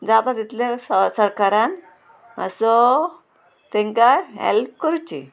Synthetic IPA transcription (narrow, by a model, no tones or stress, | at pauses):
d͡zat̪at̪it̪lasəsəɾkaɾan | ə̰sɔ | t̪ɛ̃ŋkaɦḛlp̚kəɾut͡ɕḭ